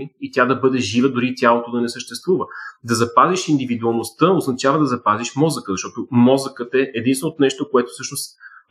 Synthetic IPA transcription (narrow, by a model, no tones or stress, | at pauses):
iit̪ʲad̪ɐbɤd̪ɛʒivəd̪ʊɾit̪ʲjalˠot̪od̪ɐnɛsəʃt̪ɛst̪vuvəd̪ɐzɐpaziʃind̪ivid̪uɐlˠnost̪əoznɐt͡ʃavəd̪ɐzɐpaziʃmɔzəkəzɐʃt̪ɔt̪omɔzəkət̪ɛʔɛd̪insnot̪nɛʃt̪okoɛt̪o̥sɤʃnost̪